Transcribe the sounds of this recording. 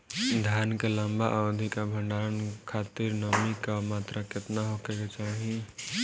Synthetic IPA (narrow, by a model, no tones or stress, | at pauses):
d̪ʱjankeləmbaʔawd̪ʱikabʱəɳɖaɾənkʰat̪iɾnəmikamat̪ɾaket̪naɦokeket͡ʃaɦi